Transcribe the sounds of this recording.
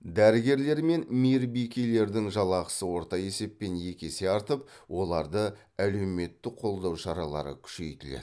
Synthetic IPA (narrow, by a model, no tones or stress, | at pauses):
d̪æɾɪɡʲe̞ɾle̞ɾme̞nmiɾbijkʲejle̞ɾd̪ɪŋʒɑlˠɑqə̥səwo̞ɾt̪ɑje̞se̞pːe̞nje̞kʲe̞se̞ɑɾt̪əp̚ | wʔo̞lˠɑɾd̪ə | æle̞wme̞t̪ːɪqʰo̞lˠd̪ɑwʃɑɾɑlˠɑ̰ɾə̰kʲʰʏ̥ʃe̞̰jt̪ɪlḛ